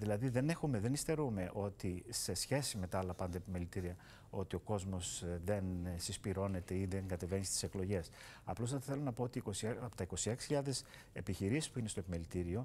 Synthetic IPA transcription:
ðilɐðiðe̞ne̞xume̞ðe̞nist̪e̞ɾume̞ʔo̞t̪ise̞sçe̞sime̞t̪ɐɐlɐpɐnd̪ɐepime̞lit̪iɾiɐ | o̞t̪io̞ko̞zmo̞sðe̞nsispiɾo̞ne̞t̪e̞iðeŋɡɐt̪e̞ve̞nist̪i̥se̞klo̞ʝe̞s | ɐ̰plosɐt̪ɐθe̞lonɐpo̞t̪iːkosipo̥t̪ɐiko̞sieksi̥çiʎɐðe̞s | e̞piçiɾisi̥spuinest̪oepime̞lit̪iɾio̞

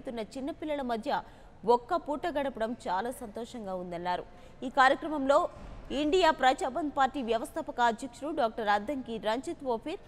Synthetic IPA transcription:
t̪unːɐt͡ʃinːɐpilːɐlɐmɐd̪ʱjɐ | ɔkːɐpuːʈːɐɡɐɽɐpɐɽɐmt͡ʃaːlaːsɐnt̪ɔːʂɐŋɡaːund̪ɐnːaːɾṵ | iːkaːɾjɐkɾɐmɐmlo̞ːiɳɖijaːpɾɐt͡ʃaːbɐnpaːɾʈiːʋjɐʋɐst̪ʰɐːpɐkɐːd̪ʱjɐkʂɐɾuɖaːk̚ʈɐɾɐd̪ʱːɐŋkiɾɐɲt͡ʃit̪ʋoːpʰiɾ

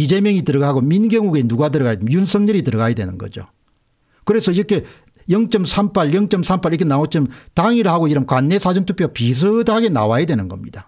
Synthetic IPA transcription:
id͡ʑe̞mjʌŋitɯɾʌɡaɡominɡeŋuɡe̞nuɡadɯɾʌɡajdɯjunsʰʌŋɲʌɾitɯɾʌɡajadwe̞nɯnɡʌ̰d͡ʑo̰ | kɯɾe̞sʰʌiɾʌkʰe̞ | jʌŋt͡ɕ͈ʌmsʰampʰaɭjʌŋt͡ɕ͈ʌmsʰampʰaɭikʰenaot͡ɕ͈ʌmtaŋiɾɯɭhaɡoiɾʌmkwanːe̞sʰad͡ʑʌmtʰupʰjopis̬ʰɯdaɡe̞na̰wajadwe̞nɯnɡʌmɲid̥a

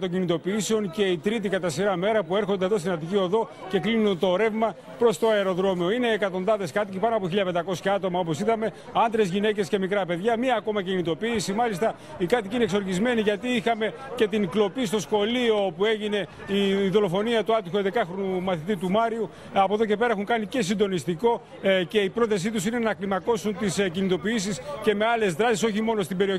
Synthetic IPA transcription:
t̪ocinit̪o̞piiseo̞nce̞it̪ɾit̪̬ikɐt̪ɐsiɾɐme̞ɾɐpue̞ɾxo̞nd̪eðo̞st̪inɐt̪̬icioðo̞ | ce̞klinunt̪o̞ɾe̞vmɐ | pɾo̞st̪o̞ɐeɾo̞ðɾo̞mio̞ine̞ːkɐt̪o̞nðɐðe̞skɐt̪icipɐnoɐp̬oçiʎɐpend̪ɐko̞sçɐɐt̪o̞mɐo̞po̞siðɐme̞ | ɐnd̪ɾezʝine̞ce̞sce̞mikɾɐpe̞ðʝɐmiɐːko̞mɐcinit̪o̞piːsimɐlist̪ɐ | ikɐt̪icinekso̞ɾʝizme̞niʝɐt̪iixɐme̞ | ce̞t̪inklo̞pist̪o̞sxo̞lio̞pue̞ʝine̞ | iðo̞lo̞fo̞niɐt̪uɐt̪ixoed̪ekɐxɾonumɐθit̪it̪umɐɾiu | ɐpo̞ðoce̞pe̞ɾɐexuŋkɐnice̞s̬ind̪o̞nist̪iko̞ | ce̞ipɾo̞θes̬it̪usine̞nɐklimɐko̞sunt̪iscinit̪o̞piisisce̞me̞ɐle̞zðɾɐsiso̞çimo̞no̞st̪ibe̞ɾio

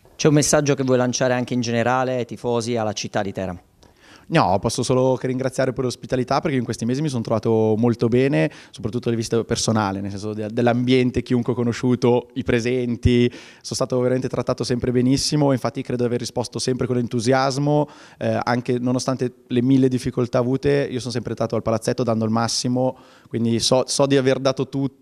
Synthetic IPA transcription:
t͡ʃɛumːesːad͡ʒːokevwɔjlant͡ʃaːɾeaŋkeind͡ʒeneɾaːlet̪ifoːzialːat͡ʃit̪ːad̪it̪ɛːɾa̰ | nɔ̰pɔsːosoːlokerːiŋɡɾat̪sːjaːɾeperleospit̪alit̪apːerkeioiŋkwest̪imeːzimis̬ont̪ɾovaːt̪omolt̪obɛːnesopɾat̪ːut̪ːod̪elevist̪epersonaːlenelsɛnsod̪ed̪elːambjɛnt̪ek̟iuŋkwɛkonoʃuːt̪oipɾezɛnt̪i | sonst̪aːt̪oveɾament̪et̪ɾat̪ːaːt̪osɛmpɾebenisːimoiɱfat̪ːikɾeːd̪od̪iaverːispɔst̪osɛmpɾekonlːent̪uzjazmo | ɛa̰ŋkenonost̪ant̪elemilːed̪ifːikolt̪aːvuːt̪eiosonsɛmpɾest̪aːt̪oalpalat̪sːɛt̪ːod̪and̪oalmasːimo | kwind̪isɔsɔd̪iaverd̪aːt̪ot̪u

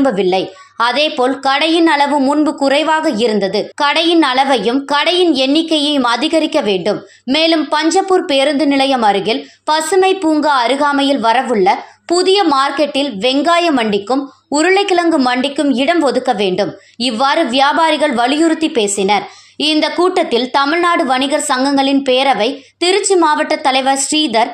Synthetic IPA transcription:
mbɐʋɪlːɐɪ | ɐðeːpoːlkɐɽɐjɪnɐɭɐʋɯmʊnbɯkʊrɐɪʋaːɣɐɪɾɯnd̪ɐðɯkɐɽɐjɪnɐɭɐʋɐjɯmkɐɽɐjɪnɛnːɪkːɐjɐjɯmɐðɪɣɐɾɪkːɐʋeːɳɖɯmː | eːlɯmpɐɲd͡ʒɐpːɯɾpeːɾɯnd̪ɯnɪlɐjɐmɐɾɯɣɪl | pɐsɯmɐɪpuːŋɡɐɐɾɯɣaːmɐjɪlʋɐɾɐʋɯɭːɐpʊðɪjɐmaːɾkɛʈːɪlʋɛŋɡaːjɐmɐɳɖɪkːɯm | ʊɾɯɭɐɪkːɪlɐŋɡɯmɐɳɖɪkːɯmɪɽɐmʋɔðɯkːɐʋeːɳɖɯm | ɪʋːaːɾɯʋɪjaːbaːɾɪɣɐɭʋɐɭɪjɯɾɯt̪ːipeːsɪnɐɾ | ɪnd̪ɐkuːʈːɐt̪ːɪlt̪ɐmɪɭnaːɽɯʋɐnɪɣɐɾsɐŋɡɐŋɡɐɭɪnpeːɾɐʋɐɪt̪ɪɾɯt͡ʃːimaːʋɐʈːɐt̪ːɐlɐɪʋɐɾsɾiːd̪ɐɾ

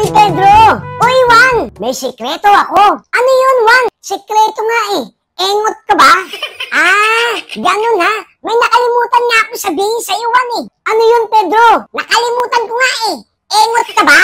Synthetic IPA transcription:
npɛd̪ɾoʔowanmɐjsɪkɾɛt̪oɐkoʔɐnojonwansɪkɾɛːt̪oŋaʔɪ | ʔɛŋot̪̚kɐbaʔa | ɡɐnonhamɐjnɐkɐlɪmuːt̪anŋaːkosɐbiːhɪnsɐiwanɪʔɐnojonpɛd̪ɾonɐkɐlɪmuːt̪ankoŋaʔɪ | ʔɛŋot̪̚kɐba

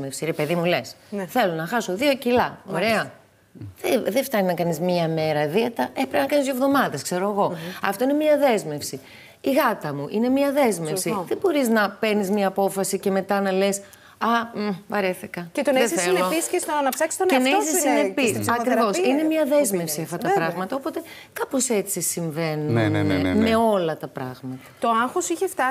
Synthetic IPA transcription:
mefsiɾe̞pe̞ðimule̞s | θe̞lo̞nɐxɐso̞ðiocilɐo̞ɾe̞ɐ | ðeðeft̪ɐninɐkɐnizmɐme̞ɾɐðiɐt̪ɐepɾepinɐkɐnizjo̞vðo̞mɐðeskse̞ɾoɐɣo̞ɐft̪o̞ine̞miɐðe̞zme̞fsi | iɣɐt̪ɐmuʔine̞miɐðe̞zme̞fsiðebo̞ɾiznɐpe̞ɾnizmɲɐːpo̞fɐsice̞me̞t̪ɐnɐles | ɐvɐɾeθikɐcet̪onðeθeleoiskesnɐpsɐksi̥t̪onensisinepiɐkɾivo̞sine̞miɐðe̞zme̞fsiɐft̪ɐt̪ɐppɾɐɣmɐt̪ɐo̞po̞t̪e̞ | kɐpose̞t͡sisiɱve̞nuuneme̞o̞lɐt̪ɐpɾɐ̰ɣmɐt̪ɐ̥t̪oɐŋxosiçeft̪ɐ

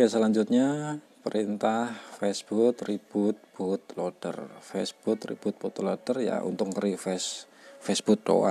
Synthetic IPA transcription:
asəlaɲd͡ʒʊt̪̚ɲa | pəɾint̪ahfɛsb̥ut̪rib̥ut̪̚b̥ut̪̚lod̥ə̰rfɛsb̥ut̪rḭb̥ut̪̚b̥ut̪lod̥ərja̰ʔṵnt̪ʊkkəɾifɛs | fɛsb̥ut̪̚do̰wa̰

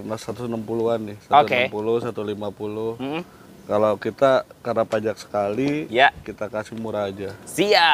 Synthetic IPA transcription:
nasat̪usənəmpuluanːɪsatoepuluhsat̪ulimapuluh | kalawkit̪akarnapad͡ʒaksə̥kalijakit̪akasɪmuɾaːd͡ʒasia

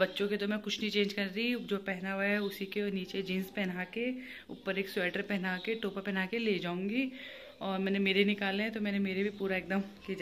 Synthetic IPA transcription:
bɐtːʃõket̪omɛ̃ːkʊt͡ʃʰnɐĩt͡ʃẽːnd͡ʒkɐɾɾiid͡ʒoːpɛɦnaɛʊsikeniːt͡ʃed͡ʒĩːnspɛɦnaːke | ʊ̰pːəɾeːksʊɛːʈəɾpɛɦnakeʈoːpapɛːnaːkeleːd͡ʒaːũːŋɡi | ɔːɾmɛ̃ːnemeːɾenɪkaːlẽɦɛ̃t̪omɛ̃ːnemeːɾebʱipuːɾaek̚d̪əm | kid͡ʒa

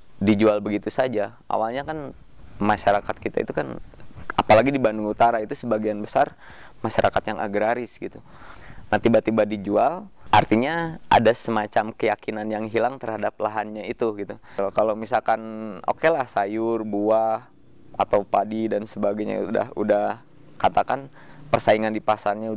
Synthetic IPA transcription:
did͡ʒualbəɡit̪usad͡ʒa | ʔa̰walɲakan | maʃaɾakat̪̚kit̪a̰ḭt̪ukana̰palaɡidibanduŋut̪aɾait̪usəbaɡianbəsar | maʃaɾʔakat̪jaŋʔa̰ɡɾaɾɪsɡit̪u | nat̪ibat̪ibadid͡ʒualʔa̰rt̪iɲaʔa̰dasəmat͡ʃamkəjakinanjaŋɦilaŋt̪ərhadap̚laɦanɲait̪uɡit̪ukalawmisalkano̰kelahsajʊrbuah | a̰t̪awpadidansəbaɡajɲa̰uda̰hudah | kat̪akan | pərsaiŋandipasarɲa

